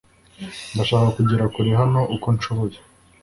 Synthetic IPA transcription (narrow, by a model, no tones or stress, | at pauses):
mbaʃaːkakuɟiɾakuɾiɦano̞ʔuko̞nt͡ʃoβoje